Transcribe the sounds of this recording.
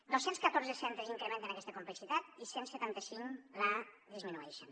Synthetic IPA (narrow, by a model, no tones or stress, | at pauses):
d̪osenskət̪orzəsɛnt̪əziŋkɾemẽnt̪ənakɛst̪əkumpləksit̪at̪̚isensət̪ant̪əsiŋla | ðizminuɛʃən